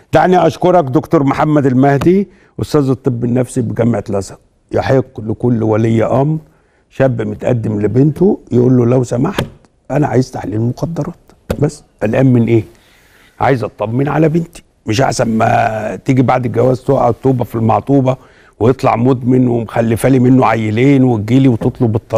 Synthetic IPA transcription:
d̪̥æʕniʔɑʃkoɾˤɑkd̪okt̪oːɾˤmħamːæd̪ælmæhd̪i | ʔost̪æːzet̪ˤːebːenːæfsibeɡæmʕet̪læsɑq | jeħeqːlekolːwælejːæʔæm | ʃæbːmet̪ʔæ̰d̪ːemlebent̪ojeʔuːlːolæwsæmaħt̪̚ | ʔænæʕa̰jezt̪aħliːlmoqɑd̪ːɑɾˤɑːt̪ | bæsːʔælʔæːmmenʔeː | ʕa̰jezʔɑt̪ˤːɑmːenʕa̰læbent̪i̥ | mɪʃʔa̰ħsænmæt̪iːɡibaʕd̪ɡæwæːzt̪oʔæt̪ːoːbæfilmɑʕt̪ˤuːbɑ | wejet̪ˤlɑ̰ʕmod̪menwemxælːifæːlimenːoʕajːeleːnweɡiːliwet̪et̪ˤlobet̪ˤːɑ

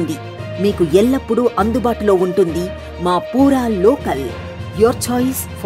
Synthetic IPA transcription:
ɳɖi | miːkuɛlːɐpːuɽuʔɐnd̪ubaːʈulo̞ːuɳʈund̪i | maːpuːɾaːlɔːkɐl | joːɾt͡ʃɔːjs | p

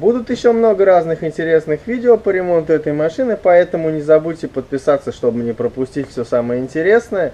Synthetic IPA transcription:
bud̪ʊt̪jɪɕːo̞mno̞ɡəɾaznɨxɪnʲtʲɪɾʲe̞snɨxvʲidʲɪopəɾʲɪmo̞nt̪ʊɛt̪əjmɐʂɨnɨpɐɛt̪əmʊnʲɪzɐbutʲtʲɪpət̪̚pʲɪsat̪sːəʂt̪o̞bɨnʲɪpɾəpʊsʲtʲitʲfsʲosaməjəɪnʲtʲɪɾʲe̞snəjə

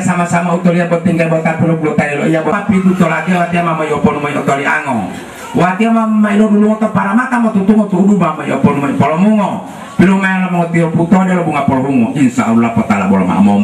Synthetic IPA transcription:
samasamaut̪ɔliabɔt̪iŋɡabɔt̪apilɔpilɔt̪ajɛlɔijabɔpit̪ut̪ɔlat̪iawat̪iamamɔiɔpɔnumɔiɔt̪ɔlia̰ŋɔ | wat̪iamammailɔduluŋɔt̪ɔpaɾamat̪amɔt̪ut̪uŋɔt̪udumamɔḭɔpɔnumɔipɔlɔmuŋɔ | pilumajalɔmɔŋɔt̪iɔput̪ɔdialɔbuŋapɔlɔɾuŋɔʔinsaulːapɔt̪alabɔlɔma̰ʔmɔm

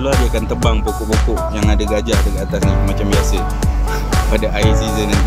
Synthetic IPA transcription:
luadiaakant̪əbaŋpokɔʔpokɔʔjaŋadaɡad͡ʒaʔdəɡat̪asɲamat͡ʃambiasə | padaʔajs̬izənn

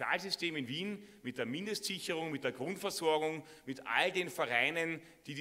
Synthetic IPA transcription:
a̰ːlzʏsteːmɪnviːnmɪt̚d̥eːɐmɪndəstz̥ɪçəʁ̞ʊŋmɪt̚d̥eːɐɡ̥ʁʊntfɛɐzɔɐɡʊŋ | mɪtʔa̰ldeːnfɐʁaɪnən | d̥iːd

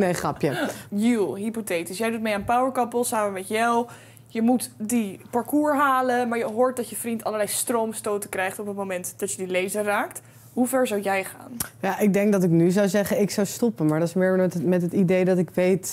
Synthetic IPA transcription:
nejχrɑpjajulˠɦipotetisjɛjdut̚mejaːnpawəɹkɑpəlˠsaːməmɛtjaw | jəmutdipɑɹkuːɹɦaːləmaːɹjəɦoːɹt̚dɑtjəfrintɑləɹlɛjstromstowtəkrɛjχtɔpətmowmɛntd̥ɑtjədilejzəraːkt | ɦuvɛɹzawjɛjχa̰ːnjaːʔɪɡ̚dɛŋk̚dɑtɪknyzawzɛχənɪksawstɔpənmaːɹdɑtɪsmɪːɹɛtmɛtɦətidejdɑtɪkʋejt

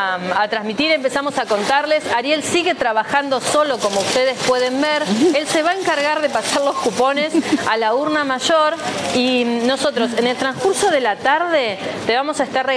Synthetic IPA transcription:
at̪ɾazmit̪iɾe̞mpe̞samo̞sako̞nt̪aɾle̞saɾje̞lsiɣe̞t̪ɾaβaxand̪oso̞lo̞ko̞mo̞ust̪eðespwe̞ðe̞mbeɾelse̞βae̞ŋkaɾɣaɾðe̞pasaɾlo̞skupo̞ne̞salauɾnamaʒoɾino̞so̞t̪ɾo̞se̞ne̞lt̪ɾãnskuɾso̞ðe̞lat̪aɾðe̞t̪e̞βamo̞saest̪arre

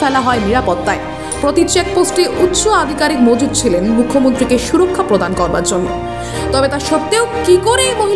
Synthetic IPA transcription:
fɛlaɦɔeniɾapɔt̪ːae | pɾot̪itːt͡ɕek̚posʈeʔut̪ːɕoad̪ʱikaɾik̚mod͡ʑud̪̚t͡ɕʰilenmukʰːomont̪ɾikeʃuɾokʰːapɾod̪ankɔɾba̰ɾd͡ʑonːo̰ | t̪ɔbet̪aɾʃɔt̪eokikoɾeemoɦi

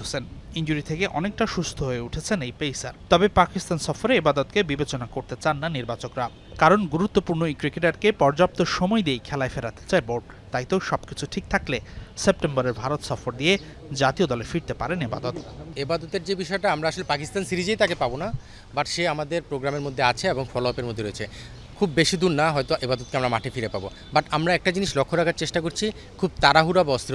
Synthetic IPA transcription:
ɦosenind͡ʑuɾit̪ʰekeʔɔnek̚ʈaʃust̪ʰoɦoeuʈʰet͡ɕʰenejpejsaɾt̪ɔbepakist̪ansɔfoɾeebad̪ot̪kebibet͡ɕonakoɾt̪et͡ɕanːaniɾbat͡ɕokɾa | kaɾonɡuɾut̪ːopuɾnoejkɾikeʈaɾkepɔɾd͡ʑap̚t̪oʃɔmɔed̪iejkʰɛlaefeɾat̪e̥t͡ɕaeboɾɖ̚ | t̪ajt̪owʃɔbkit͡ɕʰuʈʰik̚t̪ʰaklesep̚ʈemboɾeɾbʱaɾot̪ʃɔfoɾd̪ije | d͡ʑat̪iod̪ɔlefiɾt̪epaɾeneba̰d̪ot̪ebad̪ot̪eɾd͡ʑebiʃɔeʈaamɾaaʃolepakist̪ansiɾid͡ʑejt̪akepabona | baʈʃeamad̪eɾpɾoɡɾameɾmod̪ʱːeat͡ɕʰeeboŋfɔloapeɾmod̪ʱːeɾoet͡ɕʰe | kʰubːeʃid̪ʱuɾnaɦɔjt̪oʔebad̪ot̪keamɾamaʈʰefiɾepabo̰ | baʈamɾaɛk̚ʈad͡ʑiniʃlokʰːoɾakʰaɾt͡ɕeʃʈak̬oɾt͡ɕʰi | kʰub̚t̪aɾaɦuɾabaɔst̪ʰiɾ

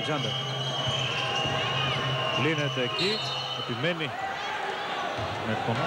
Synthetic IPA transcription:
ɡzɐnd̪ɐ | plinet̪eːci | ep̪imeni | mekpo

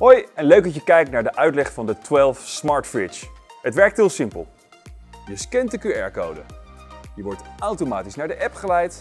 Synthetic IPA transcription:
ɦojɛnløɥk̚dɑtjəkɛjk̚tnaːɹdəʔœɥtlɛχfɑndətwɛlˠfsmɑɹtfɹɪt͡ʃɦətʋɛɹk̚tɦɪːlˠsɪmpə̰lˠ | jəskɛntdəkyɛ̰ɹko̰wdə̰jəʋɔɹtawtomaːtisnaːɹdəʔɛpχəlɛjt

